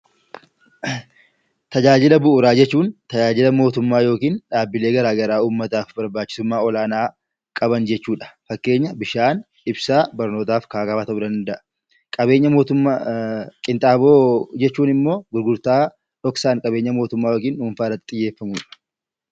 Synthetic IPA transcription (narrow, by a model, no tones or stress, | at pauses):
t̪ɐd͡ʒaːd͡ʒɪlɐbʊʔʊɾaːd͡ʒɛt͡ʃːuːnt̪ɐd͡ʒaːd͡ʒɪlɐmo̞ːt̪ʊmːaːjo̞ːkiːnᶑaːbːɪle̞ːɡɐɾaːɡɐɾaːuːmːɐt̪aːfbɐɾbaːt͡ʃːɪ̥sʊmːaːɔlaːnaː | kʼɐbɐnd͡ʒɛt͡ʃːuːᶑɐ̥fɐkːe̞ːɲːɐbɪʃaːn | ɪbsaːbɐɾno̞ːt̪aːfkaːkɐfɐt̪ɐʊd̪ɐnd̪ɐʔɐ̥ | kʼɐbe̞ːɲːɐmo̞ːt̪ʊ | kʼɪnt̪ʼaːboːd͡ʒɛt͡ʃːuːnɪmːo̞ːɡʊɾɡʊɾt̪aː | ᶑɔksaːŋkʼɐbe̞ːɲːɐmoːt̪ʊmːaːjoːkiːnuːnfaːrɐt̪ːɪ̥t̪ʼɪjːe̞ːfːɐmʊᶑɐ̥